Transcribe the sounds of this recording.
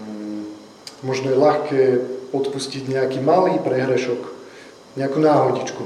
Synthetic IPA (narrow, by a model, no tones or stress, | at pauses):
mɔʒnɔjɛlaxkɛːɔt̪pusciɟɲɛakiːmaliːpɾɛɦɾɛʃɔk | ɲɛakunaːɦɔɟit͡ʃku